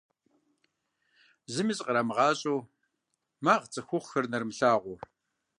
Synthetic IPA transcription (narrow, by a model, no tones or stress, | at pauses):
zɨmiːɕʼqʼəɾamɨʁɑːɕʼow | maːʁt͡sʼɨxʷʊχxɐrnɐrmɬaːʁʷʊ